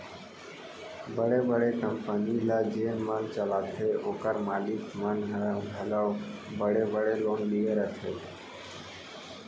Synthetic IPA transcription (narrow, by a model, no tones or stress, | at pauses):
bəɽebəɽekəmpənilad͡ʒeːnmənt͡ʃəlaːt̪ʰeʔoːkəɾmaːlɪkmənɦɦələʋbəɽebəɽeloːnlieɾət̪ʰe